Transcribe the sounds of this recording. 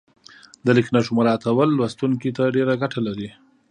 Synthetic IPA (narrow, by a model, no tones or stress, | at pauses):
d̪əlɪknaʃʊmaɾɑt̪awəlːwast̪uŋkit̪aɖeɾaɡaʈʰalaɾi